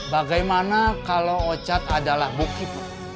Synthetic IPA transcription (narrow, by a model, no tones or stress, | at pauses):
baɡajmanakaloot͡ʃat̪adalahbukit̪u